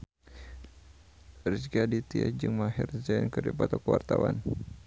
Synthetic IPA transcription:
risɡadit̪iad͡ʒɨŋmaɦirzankɨrdipat̪ɔkəwart̪awa̰n

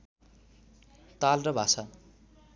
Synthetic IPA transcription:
t̪alrʌbʱasa

